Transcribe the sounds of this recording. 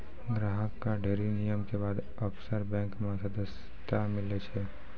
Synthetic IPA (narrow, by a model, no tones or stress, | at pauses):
ɡɾaɦəkːaɖʱeɾinijəmkebaːd̪ | əpsəɾbɛ̃ŋkmãsəd̪əs | t̪amɪlet͡ʃʰe